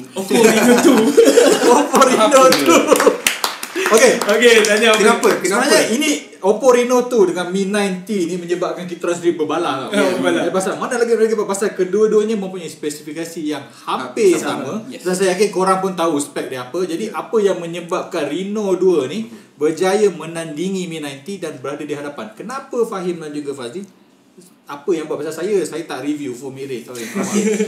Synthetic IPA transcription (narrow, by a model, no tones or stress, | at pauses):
ot̪u | opoɾinot̪u | okeoket̪aɲakənapəkəaaɲaini | opoɾinot̪udəŋanminãjnt̪inimə̃ɲə̃bap̚kankit̪ɾansɾibəbala̰balapasalmanalaɡimlaɡibapasalkəduəduəɲamə̃mpuɲajspɛsifikasijaŋhapɪsamə̃dansajakakoɾaŋpʊnt̪ausə̥pɛk̚diapəd͡ʒadiʔapəjaŋmə̃ɲəbap̚kanrinɔduəni | bərd͡ʒajəmə̃nãndiŋiminajnt̪idanbəɾadədiɦadapankənapəfaɦɪmdand͡ʒuɡafazi | apəjãŋbaʔpasalsajəsajat̪aʔɾivjufɔmiɾɪt̪auapamai